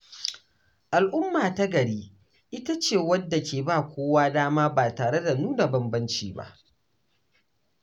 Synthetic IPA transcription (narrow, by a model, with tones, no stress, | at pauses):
ʔa˨lʔʊ˦mːaː˨ta˦ɡɐ˨ɽiː˦ | ʔɪ˦ta˦t͡ʃeː˨wɐ˦dːa˨kʲeː˨baː˦˨kʷoː˦waː˦daː˦maː˦baː˨taː˨ɽe˦da˨nuː˦na˨bɐ˨mbɐ˦nt͡ʃiː˦˨ba̰˦ʔ